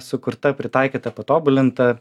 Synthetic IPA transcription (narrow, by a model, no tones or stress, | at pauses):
sʊkʊɾt̪ɐpʲɾʲɪt̪ɑˑɪkʲiːt̪ɐpɐt̪oːbʊlʲɪnt̪ɐ